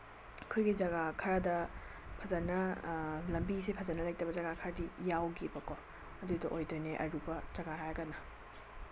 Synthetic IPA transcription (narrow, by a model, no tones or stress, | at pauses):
kʰojɡid͡ʒɐɡakʰɐɾɐdɐ | pʰɐzanɐlɐmbisepʰɐzanːɐlajtɐbɐzɐɡakʰɐɾɐdijawɡibɐkɔ | ɐdudɐʔojdojneʔɐ̰ɾubɐzɐɡaɦajɡɐnɐ